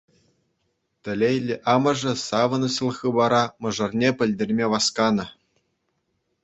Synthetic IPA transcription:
t̪ʲɘ̆lʲejlʲːɘ̆ʔɑmɤ̆ʐɤ̆sɑʋɤ̆nɤɕɤ̆lˠxɯbɑɾɑmɤ̆ʐɤ̆rnʲepʲɘ̆lʲdʲerʲmʲeʋɑskɑnɤ̆

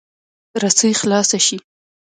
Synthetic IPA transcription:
ɾasəjxlɑsaʃi

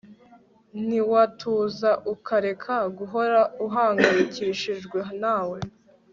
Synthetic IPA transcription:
niwatʰuːzaʔukaɾe̞kʰaɡuɦoɾauɦaːŋɡaɾiciʃiʒɡweɦnaːwe

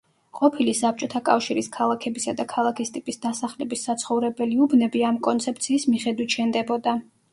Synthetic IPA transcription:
qʼɔpʰilisap̚t͡ʃʼɔt̪ʰakʼafʃiɾiskʰalˠakʰɛbisad̪akʰalˠakʰist̪ʼipʼisd̪asaχlɛbisːat̪sʰχɔvɾɛbɛliubnɛbiamkʼɔnt̪sʰɛp̚t̪sʰiːsmiχɛd̪wit̪ʃɛnd̪ɛbɔd̪a

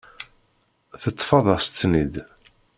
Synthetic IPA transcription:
θət̪ˤːfɑðˤɑst̪ːnid̪

